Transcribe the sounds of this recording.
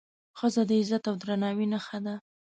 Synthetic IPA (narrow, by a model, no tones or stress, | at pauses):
xəzad̪əɪzat̪awd̪ɾanɑwinaxad̪a